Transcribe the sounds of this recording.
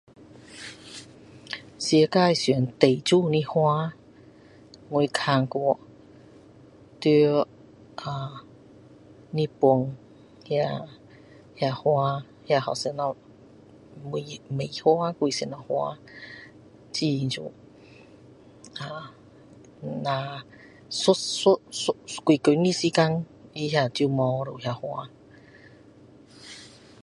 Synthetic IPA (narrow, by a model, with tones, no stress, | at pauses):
sji˧˦ka˥˧jsnt̪e˨˩jt͡ɕu˥˧˨nĩ˦˥hwa˦˥ | ŋwu˧jkʰa˧˩ŋkɔ˧˩ | t̪y˧˦ | ʔa˨˩ | nĩ˦˥pu˧ŋ | ja˧ | ja˧˩hwa˦˥ | ja˧˨hɔ˨˩sɛ˧na˧ | mu˧˨me˨˩jhwa˦kwi˧˨se˨na˧˨hwa̰˧ | t͡ɕi˧nt͡ɕṵ˧˨ | a˨ | nã˧ | su˦su˦ski˨˧˨kə˨˦nĩ˧si˧˦ka˧ŋ | i˧ɦja˧t͡ɕi˧˨mɔ̃˧ɾo˨hja˧hwa˧